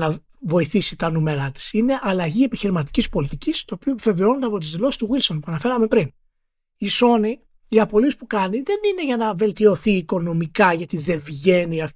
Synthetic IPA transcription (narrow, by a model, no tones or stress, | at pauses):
nɐ | vo̞iθisit̪ɐnume̞ɾɐt̪i̥sine̞ʔɐlɐʝie̞piçiɾimɐt̪i̥cispo̞lit̪icist̪o̞ːpioepve̞veonond̪eɐpo̞t̪̬izðiloi̥st̪uɣilso̞npuɐnɐfe̞ɾɐme̞pɾin | iso̞ni | iɐpo̞lispukɐniðe̞nine̞ʝɐnɐve̞lt̪io̞θiːko̞no̞mikɐʝɐt̪iðe̞vʝe̞niɐ